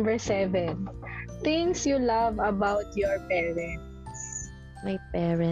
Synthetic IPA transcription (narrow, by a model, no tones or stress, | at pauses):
bɛɹsɛvɛ̃nt̪ɪ̃ŋksjulavɐbawt̪jɔɹpɛːɹɛ̃nt̪ | s | mɐjpɛːɹɛ